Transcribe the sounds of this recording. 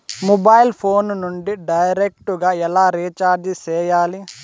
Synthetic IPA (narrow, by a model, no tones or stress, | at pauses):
mubajlpʰoːnnuɳɖiɖɐjɾek̚ʈuɡɐɛlaːɾiːt͡ʃaːɾd͡ʒisɛːjaːli